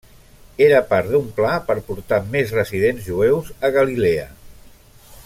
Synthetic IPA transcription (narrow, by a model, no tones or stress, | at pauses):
eɾəpaɾd̪umplapəɾpuɾt̪amezrəziðenzʒuewzəɣəlileə̰